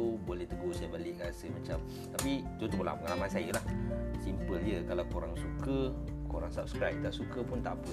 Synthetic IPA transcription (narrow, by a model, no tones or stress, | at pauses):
ubolɛht̪əɡosajəbalɪʔɡasəmat͡ʃam | t̪apid͡ʒot̪oməla̰pəŋalamansajəlahsimpəldiəkalawkuɾaŋsukə | koɾaŋsap̚skɾajp̚t̪aʔsukəpʊnt̪aʔpə